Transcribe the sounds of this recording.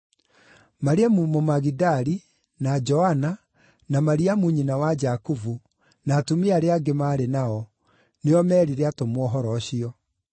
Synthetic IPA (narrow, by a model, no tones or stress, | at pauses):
maɾeamumomaɣidaɾi | nad͡ʒɔhana | namaɾiamuɲinawad͡ʒakuvu | naːtumeaɾeaɡemaːɾenaɔ | neɔmɛːɾiɾeatomwɔɦɔɾɔɕiɔ